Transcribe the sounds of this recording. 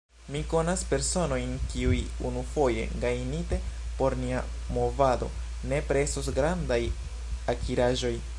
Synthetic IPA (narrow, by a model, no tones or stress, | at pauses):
miko̞naspe̞ɾso̞no̞jnkiujunufo̞je̞̰ɡajnite̞po̞ɾnia | mo̞vado̞̰ | ne̞pɾe̞sosɡɾandaj | akʰiɾaʒo̞j